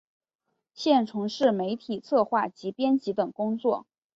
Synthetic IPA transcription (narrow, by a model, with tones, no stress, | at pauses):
ɕjɛ˥˩nʈ͡ʂʰʊ˧˥ŋʂɻ̩˥˩me˧˥ɪt̪ʰi˨˩t͡sʰɤ˥˧xwa˥˩t͡ɕi˧˥pjɛ˥nt͡ɕi˧˥t̪ɤ˨˩ŋkʊ˥ŋt͡swɔ˥˩